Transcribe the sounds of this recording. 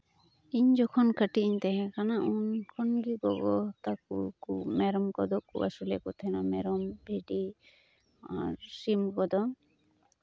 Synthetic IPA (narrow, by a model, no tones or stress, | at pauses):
iɲd͡ʒɔkʰɔnkəʈiiɲt̪ɛɦɛ̃kanaʔunkʰɔnɡiɡɔɡɔt̪akṵkumɛɾɔmkɔd̪ɔʔkṵa̰sulɛkut̪ʰɛnamɛɾɔmbʱeɖi | a̰ɾsimkɔd̪ɔ